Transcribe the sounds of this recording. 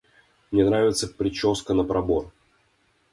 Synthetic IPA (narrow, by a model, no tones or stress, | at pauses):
mnʲenɾavʲɪt̪səpɾʲɪt͡ɕoskənəpɾɐbor